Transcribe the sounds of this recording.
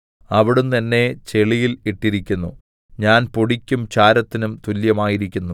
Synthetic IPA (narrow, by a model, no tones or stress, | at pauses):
ɐʋiɽumnenːe̞t͡ɕeɭijiliʈːiɾikʲːunːṵ | ɲaːnpoɽikʲːumt͡ɕaːɾɐt̪ːinumt̪uljɐmaːjiɾikʲːunːu